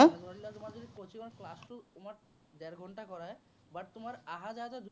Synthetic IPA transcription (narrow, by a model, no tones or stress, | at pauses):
adʱɔɾilːat̪omaɾd͡ʒod̪ikot͡ɕʰimaɾklasʈuomaɾ | d̪ɛɾɡʱɔɳʈakɔɾae | baʈt̪omaɾaɦad͡ʒaɦt̪ad̪